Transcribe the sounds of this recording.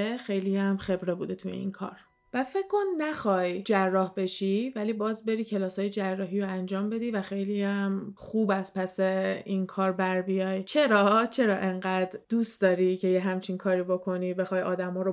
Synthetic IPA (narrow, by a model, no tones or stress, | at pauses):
exe̞jliæmxe̞bɾe̞buːd̪e̞t̪ʰujḛḭnkʰɒ̰ːɾ | væfecʰːo̞nːæxɒːjd͡ʒærːɒːhbe̞ʃiːvæliːbɒːzbe̞ɾiːcʰe̞lɒːsɒːjed͡ʒærːɒːɦiːɾoænd͡ʒɒːmbe̞d̪iːvæxe̞jliæmχuːbæspʰæseinkʰɒːɾbæɾbijɒːjt͡ʃʰe̞ɾɒːt͡ʃʰe̞ɾɒːʔe̞ŋɢæːd̪ɾd̪usd̪̥ɒːɾicʰe̞jeɦæmt͡ʃʰinkʰɒːɾiːbokʰo̞niːbe̞xɒːjɒːd̪æmɒːɾo